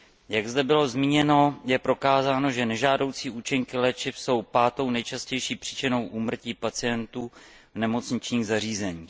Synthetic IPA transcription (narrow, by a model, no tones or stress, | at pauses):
jaɡzdɛbɪlo̞zmiːɲɛno̞jɛpɾo̞kaːzaːno̞ʒɛnɛʒaːdo̞wt͡siːʔuːt͡ʃɪŋkɪlɛːt͡ʃɪfso̞wpaːt̪o̞wnɛjt͡ʃascɛjʃiːpr̝̥iːt͡ʃɪno̞wʔuːmr̩ciːpat͡sɪjɛnt̪uː | vnɛmo̞t͡sɲɪt͡ʃɲiːɣzar̝iːzɛɲiː